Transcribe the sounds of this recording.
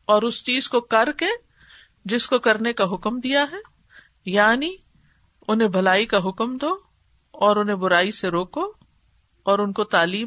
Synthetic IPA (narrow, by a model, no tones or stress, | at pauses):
ɔːɾʊst͡ʃiːzkokɐɾke | d͡ʒɪskokɐɾnekaɦʊkmd̪ijaɦɛː | jaːni | ʊnɦẽbʱɐlaːikaɦʊkmd̪oː | ɔːɾʊnɦẽbʊɾaːiseɾoːko | ɔːɾʊnkot̪aːliː